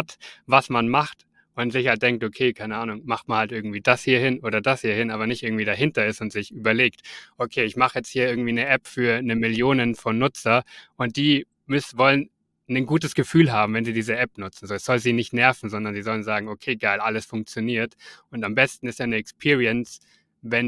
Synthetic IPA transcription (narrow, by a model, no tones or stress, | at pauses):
tvasmanmaχt | ʔʊntz̥ɪçhatd̥ɛŋktokʰeːkʰaɪnəaːnʊŋmaχt̚manhaltɪɐɡŋ̩tv̥iːdashiːɐhɪnʔoːdɐdashiːɐhɪnaːbɐnɪçtʔɪɐɡŋ̩tv̥iːdaɦɪntɐɪsʊntz̥ɪçʔyːbɐleːktʔokʰeːɪçmaχəjɛt͡sthiːɐɪɐɡŋ̩tv̥iːnəʔɛpfyːɐnəmɪljoːnənfɔnːʊt͡sɐʔʊnt̚d̥iː | mʏsvɔlən | nənɡuːt̬əsɡ̥əfyːlɦaːbm̩vɛnziːdiːzəʔɛpnʊt͡sn̩zoːɛsz̥ɔlziːnɪçtnɛɐfn̩zɔndɐnziːzɔlənzaːɡŋ̩okʰeːɡaɪlʔaləsfʊŋk̚t͡sjoniːɐtʔʊntambɛstn̩ɪstjaːnəɛkspʰiːʁiɛns | vɛn